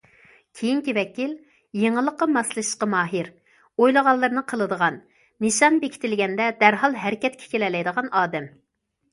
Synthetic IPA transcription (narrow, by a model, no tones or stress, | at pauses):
kʲʰejiŋkʲivɛkʲil | jeŋəlˠːəqːɑmɑslˠɨʃqɑmɑːɦɨɾ | ojlˠəʁɑlˠːɨɾnɨqʰəlˠɨd̪əʁɑn | niʃɑnbekʰʲi̥t̪ɪlɡʲɛnd̪ɛd̪æɾɦɑlˠɦɛɾɪkʲɛt̪̚kʲʰɛ̥kʲʰelɛlɛjd̪əʁɑnɑːd̪ɛm